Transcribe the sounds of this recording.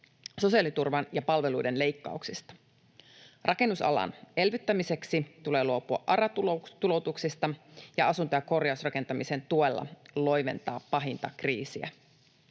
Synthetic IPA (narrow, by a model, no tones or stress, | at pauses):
so̞siɑlit̪urʋɑnjɑpɑlʋe̞lujdenle̞ijkːɑ̰uksist̪ɑ̥ | rʔɑke̞nːusɑ̰lɑ̰ne̞lʋyt̪ːæmise̞ksit̪ule̞ːluopuɑ̰ʔʔɑrɑt̪ut̪ulo̞t̪uksist̪ɑjɑɑsunt̪ojɑko̞rjɑusrɑke̞nt̪ɑmisent̪uelːɑ̰llo̞jʋe̞̰nt̪ɑːpːɑɦint̪ɑkriːsiæ̰